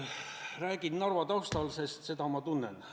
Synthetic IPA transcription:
ræːɡ̥innɑrvɑt̪ɑwst̪ɑlse̞st̪se̞d̪ɑmɑt̪unːen

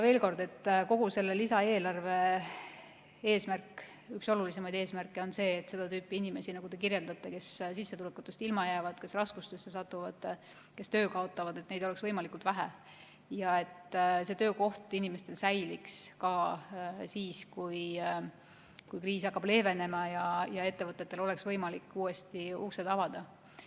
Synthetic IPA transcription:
ve̞ːlko̞rd̪e̞t̪ːko̞ɡ̥use̞lːe̞lisɑe̞ːlɑrve̞ | e̞ːsmærk | ykso̞lulis̬e̞mɑjd̪e̞ːsmærkːˑeo̞nse̞ːt̪ːˑse̞d̪ɑt̪yːpːˑiinime̞sinɑɡ̥ud̪̥e̞kirje̞ld̪̥ɑt̪ːˑe̞ke̞ssisːe̞t̪ulekːut̪ːˑust̪ilmɑjæːvɑd̪̥ke̞srɑskust̪esːe̞s̬ɑt̪ˑːuvɑd̪̥ | ke̞st̪øːkɑo̞t̪ːˑɑvɑd̪e̞t̪ne̞jd̪̥oe̞ksvɤjmɑlikˑult̪væɦæ̰ | jɑe̞t̪se̞t̪ø̞ːko̞ht̪inime̞st̪e̞lsæjlikskɑ | siːskuj | kujkriːsɑkːɑb̥le̞ːve̞ne̞mɑjɑjɑe̞t̪ːe̞vɤt̪ːˑe̞t̪ːe̞lo̞le̞ksvɤjmɑlikːuːe̞st̪iuːsed̪ɑvɑd̪̥ɑ

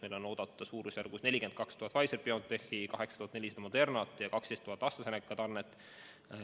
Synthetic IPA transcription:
mejlo̞no̞ːd̪̥ɑt̪ːˑɑsuːɾusæɾɡusne̞lʲike̞nd̪̥̚kɑkst̪uhɑt̪vɑjserpio̞t̪ːe̞hikɑɦe̞ksɑ̥t̪uhɑt̪ne̞lʲisɑd̪ɑmod̪̥e̞rnɑt̪ːˑjɑkɑksd̪est̪uɦɑt̪ːˑɑst̪ːɑsenekːˑɑt̪ɑrnet̪ːˑ

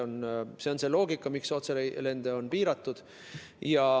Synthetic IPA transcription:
onse̞o̞nse̞lo̞ːɡikːˑɑmikso̞t̪sele̞nd̪̥e̞o̞npiːɾɑt̪ːˑud̪̥ | jɑ

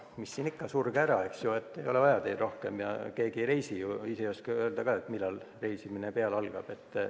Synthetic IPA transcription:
misːiːnikːɑsurɡ̥æɾɑe̞ksjue̞t̪ːe̞jo̞levɑjɑd̪ejd̪ro̞hke̞mjɑ̰ke̞ːɡ̥ire̞jsijuisejoskɑøeld̪ɑkɑet̪milːɑlre̞jsiminepeɑlɑlɡ̥ɑb̥e̞t̪ːˑ

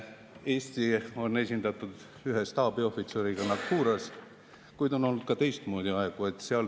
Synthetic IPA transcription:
e̞ːst̪io̞nːe̞sʲind̪ɑt̪ːˑud̪̥ | yɦest̪ɑːb̥io̞fit̪seɾiɡ̥ɑnɑkːuːɾɑs | kujd̪o̞no̞lnud̪̥kɑt̪e̞jst̪moːd̪iɑeɡ̥ue̞t̪ːseɑl

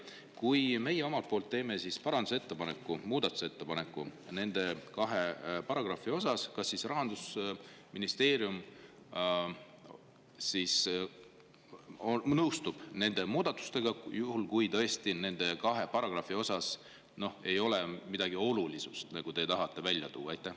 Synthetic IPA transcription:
kujme̞jeo̞mɑlt̪̚po̞ːlt̪ːe̞ːme̞sispɑɾɑnd̪uset̪ːe̞pɑne̞kːˑumuːd̪ɑt̪ːˑu̥se̞t̪ːe̞pɑne̞kːˑune̞nd̪̥e̞kɑɦe̞pɑɾɑɡ̥rɑfio̞sɑskɑsːisrɑɦɑnd̪̥us | minist̪e̞ːɾium | sis | onɤwst̪ub̥ne̞nd̪e̞muːd̪̥ɑt̪ːˑu̥st̪e̞ɡ̥ɑjuhulkujt̪ɤ̞est̪ine̞nd̪̥e̞kɑɦe̞pɑɾɑɡ̥rɑfio̞sɑs | no̞he̞jo̞lemid̪̥ɑɡ̥io̞lulisust̪nɑɡ̥ut̪et̪ɑɦɑt̪ːˑe̞vælʲːjɑ̰t̪ṵːɑɑjt̪ːˑæh

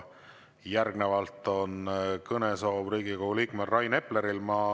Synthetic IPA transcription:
jærɡnevɑlt̪ːˑo̞nkɤneso̞ːbriːɡikoɡuliːkmelrɑjne̞pːleɾilmɑ

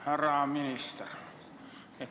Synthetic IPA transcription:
hærɑˑminist̪er | e

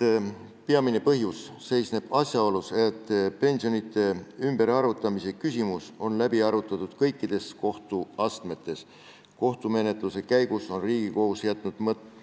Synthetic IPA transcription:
peɑmine̞pɤɦjusːe̞jsne̞b̥ɑsʲjɑo̞luset̪ːˑpe̞nsio̞nit̪ːˑe̞ymb̥e̞ɾɑɾut̪ːˑɑmise̞kysʲimuso̞nlæbiɑɾut̪ːˑɑt̪ud̪̥kɤjkːid̪̥e̞sko̞ht̪uɑst̪me̞t̪ːˑe̞s | ko̞ht̪ume̞ne̞t̪ˑluse̞kæjɡuso̞nriːɡ̥iko̞husjæt̪ːˑnud̪̥mɤt̪ˑː

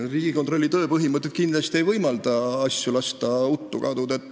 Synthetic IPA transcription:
riːɡ̥ikot̪ro̞lʲːit̪ø̞ːpɤɦimɤt̪ˑːet̪̚kind̪lɑst̪iejvɤjmɑld̪ɑɑsjulɑst̪ɑut̪ːˑukɑd̪ud̪et̪ː

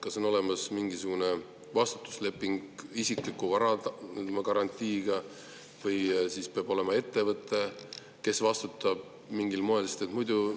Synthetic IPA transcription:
kɑso̞no̞le̞mɑsmiŋɡisuɡ̥une̞ | vɑst̪u̥t̪ːˑu̥sle̞pːˑiŋɡisiklikːuvɑɾɑmɑkɑɾɑnʲt̪ʲːˑiːɡ̥ɑ | vɤjsispeɑb̥o̞le̞mɑe̞t̪ːe̞vɤt̪ːˑe̞ | ke̞svɑst̪ut̪ːˑɑb̥̚ | miŋɡilmoe̞lse̥t̪et̪mujd̪u

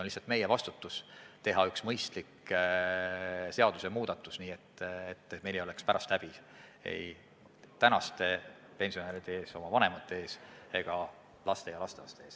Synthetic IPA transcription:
onlisːɑlt̪me̞jevɑst̪ut̪ːˑust̪e̞ɦɑyksmɤjst̪lik | se̞ɑd̪̥usemuːd̪̥ɑt̪ːˑusniːet̪ːet̪ːˑme̞jleo̞le̞kspæɾʔɑst̪æb̥i | ḛj | t̪ænɑst̪e̞ | pe̞nʲsio̞neːɾid̪̥eeːso̞mɑvɑne̞mɑt̪ːˑe̞eːseɡ̥ɑ | lɑst̪e̞jɑlɑst̪eɑst̪eeːs

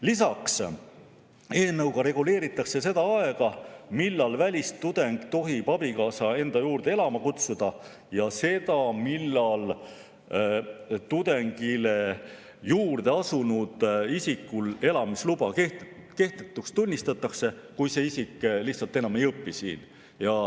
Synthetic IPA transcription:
lisɑks | e̞ːnɤwɡ̥ɑɾe̞ɡ̥ule̞ːɾit̪ːˑɑkse̞se̞d̪ɑɑe̞ɡ̥ɑmilːɑlvælʲist̪ːud̪̥e̞ŋɡ̥t̪o̞ɦipɑb̥ikɑːsɑe̞nd̪̥ɑjuːrd̪̥e̞e̞lɑmɑkut̪sud̪̥ɑ | jɑse̞d̪̥ɑmilːɑl | t̪ud̪̥e̞ŋɡ̥ile̞ | juːrd̪̥e̞ɑsunud̪̥isikːule̞lɑmislubɑkeke̞ht̪et̪ːˑukst̪unʲːist̪ɑt̪ːˑɑkse̞kujse̞isikːˑliht̪sɑlt̪ːe̞nɑme̞jɤpːisḭːn | jɑ

